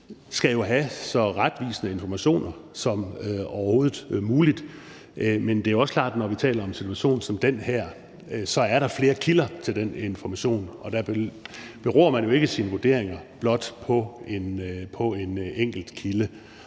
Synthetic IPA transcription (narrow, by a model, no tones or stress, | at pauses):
sɡ̥æjo̝ɦæsɒ̽ʁad̥ʋḭːsənəe̝nfɒmæɕo̝̰ːnɐsɒ̽mɒʊɐho̝ːð̩ˠmuːlid̥ | ʔmend̥e̝æjoɒsəkʰl̥ɑ̰̈ːd̥nɒʋit͡sʰɛ̰ːlɐɒ̽msi̥t͡sʰuæɕo̝̰ːnsɒ̽md̥enhæɐ̰ | sɒ̽æɐɾɑ̈fle̝ːɐkʰilɐt͡sʰe̝ld̥ene̝nfɒmæɕo̝̰ːnʔɒ̽d̥æb̥b̥e̝ʁɔ̰ːɐmænjo̝e̝ɡ̥əsiːnəʋuɐd̥e̝̰ɐ̰e̝ŋɐb̥lɒ̽d̥pʰɒ̽enpʰɒ̽e̝neŋ̰ɡ̥l̩d̥kʰilə